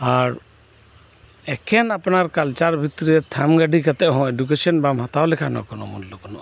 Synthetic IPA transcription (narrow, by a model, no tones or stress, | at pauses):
aɾ | ɛkʰɛnapnaɾkalt͡ʃaɾbʱit̪ːɾiɛt̪ʰamɡaɖʱikat̪ɛʔɦɔ̃eɖuk̬esɔnbamɔt̪aolɛkʰanɔ̰kɔnomɔnlokɔnɔ